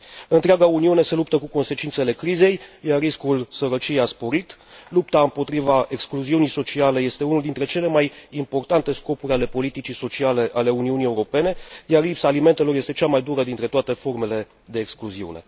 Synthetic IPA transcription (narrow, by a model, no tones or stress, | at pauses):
ɨnt̪ɾeaɡauniune̞se̞lup̚t̪əkuko̞nse̞t͡ʃint̪se̞le̞kɾize̞jjarrːiskulsəɾət͡ʃijejaspo̞ɾit̪lup̚t̪aɨmpo̞t̪ɾivae̞kskluziunijso̞t͡ʃiale̞je̞st̪e̞unuld̪int̪ɾe̞t͡ʃe̞le̞majimpo̞rt̪ant̪e̞sko̞puɾʲale̞po̞lit̪it͡ʃiso̞t͡ʃiale̞ʔale̞uniunije̞uɾo̞pe̞ne̞jarlipsaːliment̪e̞lo̞rje̞st̪et͡ʃamajd̪uɾəd̪int̪ɾe̞t̪oat̪e̞fo̞rme̞le̞ | d̪e̞ːkskluziṵne̞̰